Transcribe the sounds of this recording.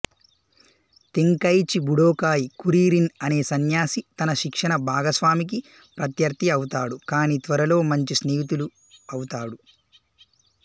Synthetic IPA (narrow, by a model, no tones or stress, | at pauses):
t̪iŋkɐjt͡ʃibuɽoːkaːjikuɾiːɾinɐne̞ːsɐnjaːsit̪ɐnɐʃikʂɐɳɐbʱaːɡɐsʋaːmik̬i | pɾɐt̪jɐɾt̪iɐwut̪aːɽukaːnit̪ʋɐɾɐlo̞ːmɐɲt͡ʃisneːʋit̪̬ulu | ɐwut̪aːɽu